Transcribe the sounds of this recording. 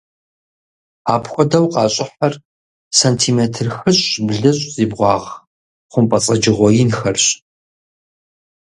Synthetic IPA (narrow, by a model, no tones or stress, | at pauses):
aːpxʷɔdɐwqʼɑːɕʼɪħɐr | santʰiːmeːtʰɨrxɨɕʼɕbɮɐɕʼz̥iːbʁʷɑːʁ | χʷʊmpʼɐt͡sʼɐd͡ʒɪʁʷɔjɪnxɐrɕ